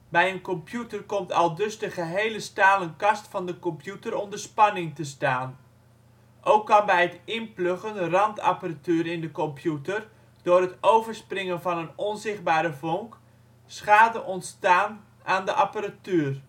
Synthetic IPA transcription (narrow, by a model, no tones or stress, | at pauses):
bɛjənkɔmpjutərkɔmtʰɑlˠdøzdəχəɦejləstaːlˠənkɑstfɑndəkɔmpjutərɔmdəspɑnɪŋtəstaːn | ʔowkːɑnbɛjətɪnpløχənrɑnta̰paratyːəɾɪndəkɔmpʰjutər | d̥ʊːrɦətowvərsprɪŋənvɑnənɔnzɪχt̚baːɾəvoŋk | sχaːdəʔɔntstaːn | ʔaːndəʔapəratyːr